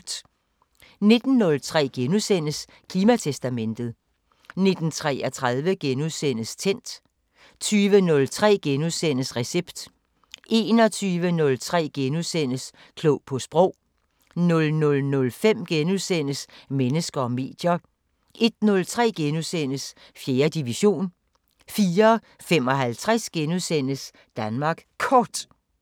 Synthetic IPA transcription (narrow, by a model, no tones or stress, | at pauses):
ne̝d̥n̩ːɔ̽lt͡sʰʁɛ̰ːɡ̥enusen̰əs | kʰliːmæt͡sʰesd̥æmen̰d̥ð̩ˠ | ne̝d̥n̩t͡sʰʁɛ̰ːɒt͡sʰʁaðˠʋəɡ̥enuðˠsen̰əst͡sʰen̰d̥ | t͡sʰyːʋənɔ̽lt͡sʰʁɛ̰ːɡ̥enuðˠsen̰əsʁɛseb̥d̥ | ʔe̝ːnɒ̽t͡sʰyːʋənɔ̽lt͡sʰʁɛ̰ːɡ̥enuðˠsen̰əs | kʰlɔʊpʰɒ̽sb̥ʁɔ̽ʊ̰ | nɔ̽lnɔ̽lnɔ̽lfem̰ɡ̥enuðˠsen̰əsmenəsɡ̥ɐɒ̽me̝̰ːd̥jɐ | ʔe̝d̥nɔ̽lt͡sʰʁɛ̰ːɡ̥enuðˠsen̰əs | fje̝ːɐd̥iʋiɕo̝̰ːn | fiːɐ | fem̰ɒ̽ɦælt͡sʰʁasɡ̥enuðˠsen̰əs | d̥ænmɑ̈ːɡ̥kʰɒːd̥